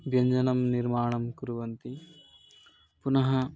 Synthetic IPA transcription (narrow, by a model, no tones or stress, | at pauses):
bjɐɲd͡ʒɐnɐmniɾmaːɳɐmkuɾuʋɐnt̪i | punɐɦɐ